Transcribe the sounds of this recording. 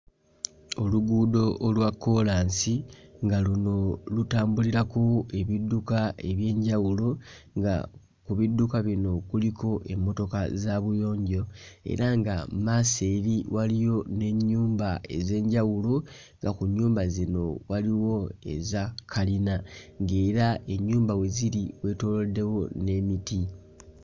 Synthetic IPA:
o̞luɡuːdo̞ːlwakːo̞laːnsiŋɡaluno̞lutaːmbuliɾako̞e̞βidːukae̞βje̞ːɲɟawulo | ŋɡa̰ | kuβidːukaβino̞kuliko̞ʔe̞mːo̞to̞kazaβujo̞ːɲɟo̞e̞̰ɾaŋɡamaseɾiwalijo̞ne̞ɲːuːmbae̞̰ze̞ːɲɟawulo | ŋɡakuɲːuːmbazino̞waliwo̞e̞̰zakʰalinaŋɡe̞ːɾae̞ɲːuːmbawe̞ziɾiwe̞ːto̞lode̞wo̞ne̞miti

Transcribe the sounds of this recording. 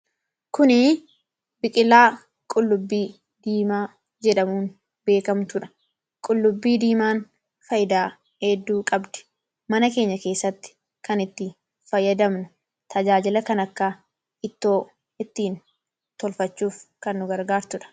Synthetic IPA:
kʊnɪ | bɪkʼɪlːaː | kʼʊlːʊbːiː | d̪iːmaː | d͡ʒɛᶑɐmuːn | be̞ːkɐmt̪ʊᶑɐ̥ | kʼʊlːʊbːiːd̪iːmaːn | fɐjɪd̪aː | hɛd̪ːuːkʼɐbd̪ɛ̥ | mɐnɐke̞ːɲːɐke̞ːsːɐt̪ːɪ̥ | kɐnɪt̪ːɪ | fɐjːɐd̪ɐmnʊ | t̪ʰɐd͡ʒaːd͡ʒɪlɐkɐnɐkːa | ɪt̪ːo̞ː | ɪt̪ːiːn | t̪ɔlfɐt͡ʃːuːfkɐnːʊɡɐɾɡaːɾt̪ʊᶑɐ̥

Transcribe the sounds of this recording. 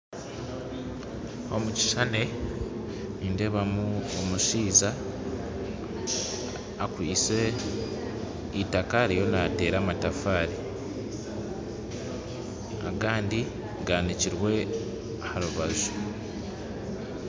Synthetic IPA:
o̞muci̥ʃane̞ | niːndeβamuomuʃiːza | kwiːse | itakaɾijo̞nate̞ːɾaːmatafaːɾi | a̰ɡaːndi | ɡaniciɾwe̞ | haɾuβazu

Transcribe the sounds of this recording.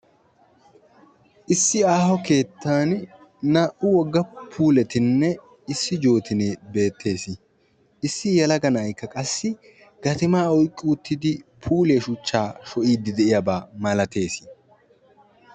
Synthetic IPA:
ʔɪsːɪaːhɔke̞ːt̪ʰːaːn | naːʔʊwɔɡːɐpʰuːlɛt̪ɪnːɛ | ɪsːɪd͡ʒo̞ːt̪ɪneːbe̞ːt̪ʰːe̞ːsɪ | ɪsːɪjɐlɐɡɐnɐjkːɐkʼɐsːɪ | ɡ̥ɐt̪ɪmaːɔjkʼːɪʊt̪ːɪd̪ɪpʰuːle̞ːʃʊt͡ʃːaːʃɔʔiːd̪ɪd̪ɛʔɪjabaːmɐlɐt̪e̞ːsɪ̥

